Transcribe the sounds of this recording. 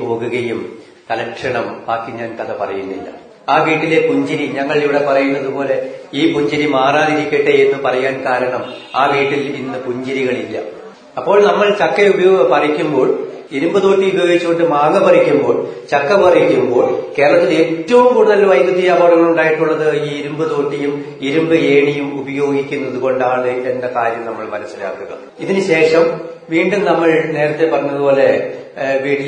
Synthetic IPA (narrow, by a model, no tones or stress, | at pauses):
po̞ːɣuɣɐjum | t̪ɐlɐkʂɐɳɐmbaːkːiɲaːnkɐðɐpɐ̰rɐjunːḭlːɐ̰ | aːkeːʈːile̞kuɲd͡ʑɐɾiɲɐŋːɐɭiʋiɽe̞pɐrɐjunːɐðupo̞ːle̞iːpuɲd͡ʑɐɾimaːraːðiɾikʲːeʈːeenːɨpɐrɐjaːnkaːɾɐɳɐmaːkeːʈːilinːɨpuɲd͡ʑɐɾiɣɐɭilːɐ̰ | ɐpːo̞ːɭnɐmːɐɭt͡ɕɐkːɐubɐjopɐrɐikʲːumbo̞ːɭ | iɾumbɐðo̞ːʈːiubɐjoːɡit͡ɕːuɣo̞ɳɖɨmaːŋːɐbɐrikʲːumbo̞ːɭt͡ɕɐkːɐpɐrɐjikʲːumbo̞ːɭke̞ːɾɐɭɐt̪ːile̞ːtːɐʋumkuːɽuðɐlʋɐjt̪ɐt̪ːijaboːɽɐŋːɐɭuɳɖaːjiʈːuɭːɐðɨiːiɾumbɨt̪o̞ːʈːijum | iɾumbɨe̞ːɳijumubɐjo̞ːɡikʲːunːɐðuɣo̞ɳɖaːɳɨendɐkaːɾjɐmnɐmːɐɭmɐnɐsːila̰ːkːuɣɐ̰ | iðinɨɕe̞ːʂɐmʋiːɳɖumnɐmːɐɭne̞ːɾɐt̪ːe̞pɐrɐɲːɐðupo̞ːle̞ | ʋiːɽ